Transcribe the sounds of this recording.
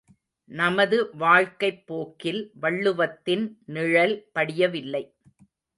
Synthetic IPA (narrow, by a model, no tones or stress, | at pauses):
nɐmɐðɯʋaːɻkɐɪpːoːkːɪlʋɐɭːɯʋɐt̪ːɪnnɪɻɐlpɐɽɪjɐʋɪlːɐɪ